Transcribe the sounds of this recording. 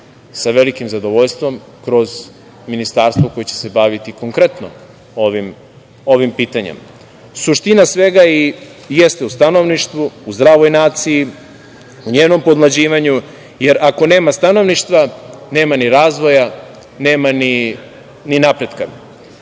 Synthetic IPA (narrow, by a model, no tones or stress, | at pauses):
saʋe̞likimzad̪o̞ʋo̞ʎst̪ʋo̞m | kɾo̞z | minist̪aːɾst̪ʋoko̞jet͡ɕe̞̥se̞baːʋit̪iko̞ŋkɾe̞t̪no̞̰ | oʋim | o̞ʋimpiːt̪aɲḛm | suʃt̪inasʋe̞ɡaije̞st̪eust̪ano̞ʋniʃt̪ʋuuzd̪ɾaːʋo̞jnaːt̪siji | uɲeːno̞mpo̞d̪lˠad͡ʑiːʋaɲu | je̞ɾako̞ne̞ːmast̪ano̞ʋniʃt̪ʋane̞ːmaniɾaːzʋo̞ja | neːmani | ninapɾe̞d̪ka